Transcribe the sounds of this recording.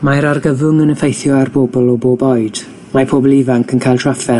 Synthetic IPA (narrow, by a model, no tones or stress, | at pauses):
maɾarɡəvʊŋənəfejθjɔarboːbɔlˠɔboːbɔɨd̥ | mapʰoːbɔlˠivaŋkʰənkʰajlˠtʰrafɛ